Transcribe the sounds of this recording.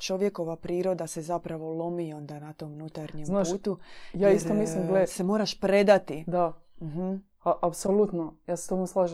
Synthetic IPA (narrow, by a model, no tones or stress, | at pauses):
t͡ʃo̞ʋje̞ko̞ʋapɾiːɾo̞d̪ase̞zapɾaʋo̞lˠo̞mio̞nd̪anat̪o̞munut̪aɾɲemnapːuːt̪ujaːist̪omisllimɡlese̞mo̞ːɾaʃpɾe̞d̪at̪id̪a | m̩ɦm̩ | aʔapsolut̪nojaːse̥t̪omoslˠaːʒe